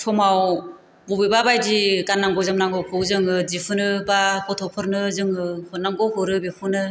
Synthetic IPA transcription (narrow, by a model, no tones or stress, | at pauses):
tʰɔmaw | bɔbibabajdiɡanːaŋɡɔzamnaŋɡɔkʰɯwzɯŋɯd͡ʒipʰunɯbakʰɔtʰɔpʰɯɾnɯzɯŋɯhɔnaŋɡɔɦɔɾɯbipʰunɯ